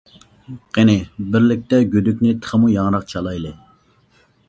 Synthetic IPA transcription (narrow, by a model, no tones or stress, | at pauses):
qenɪbɪɾlɪk̚ʲt̪ɛɡʲød̪ykʲnɪt̪ʰə̥χəmujɑŋɾɑqt͡ʃʰɑlˠɑjlˠɨ